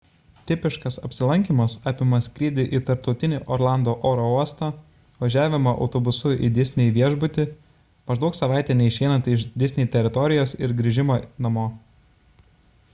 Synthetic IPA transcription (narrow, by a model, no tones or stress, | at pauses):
t̪ʲɪpʲɪʃkɐsɐpʲsʲɪlˠɐŋʲkʲiːmɐsɑːpʲɪmɐsʲkʲɾʲiːd̪ʲɪʔit̪ɐɾp̚t̪ɒʊt̪ʲɪnʲeʔɔːɾlˠɑˑnd̪oːʔoːɾoːoːst̪ɑ | ʋɐʒʲæːʋʲɪmɐʔɐ̰ʊt̪ɔbʊsʊʔḭd̪ʲɪsʲnʲɛjiʋʲiɛʒbʊt̪ʲɪ | mɐʒd̪ɒʊksɐʋɑˑɪt̪ʲɛːnʲɛɪʃʲɛɪnɐnt̪ɪʃd̪ʲɪsʲnʲeːt̪ʲɛɾʲɪt̪ɔɾʲɪjoːsɪ̰ɾɡɾʲɪʒʲɪmonɐmoː